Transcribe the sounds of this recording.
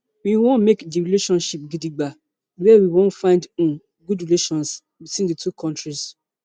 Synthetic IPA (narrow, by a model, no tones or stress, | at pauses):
wiwõnmekdiɹileʃɔ̃nʃip̚ɡidiɡ͡ba | wɛwiwõntfãɪ̃ndũ | ɡudɹileʃɔ̃ns | bitwĩnditʰukʰɔ̃ntɹis